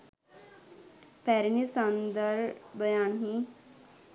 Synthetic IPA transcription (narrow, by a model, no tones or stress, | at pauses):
pɛɾnisãnd̪əɾbəjanɦi